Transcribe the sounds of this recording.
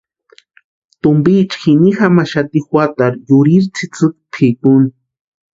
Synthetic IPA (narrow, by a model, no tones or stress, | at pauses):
t̪ʊmbiːt͡ʃxinixamaʃat̪ixwat̪aɾjʊɾiɾt͡sʰit͡sɨkpʰikʊni